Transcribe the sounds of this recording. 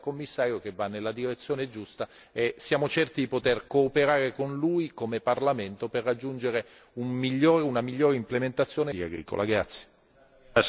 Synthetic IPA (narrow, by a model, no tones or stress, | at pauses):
komːisːaːɾjokevːanːelːad̪iɾet̪sːjoːned͡ʒust̪aesːjaːmot͡ʃɛrt̪id̪ipot̪erkoːpeɾaːɾekonlujkomeparlament̪operːad͡ʒːund͡ʒeɾe | ummiʎːoːɾeunamiʎːoːɾeimplement̪at̪sːjoːnekaɡɾḭːko̰lʔa̰ɡɾat̪sje̥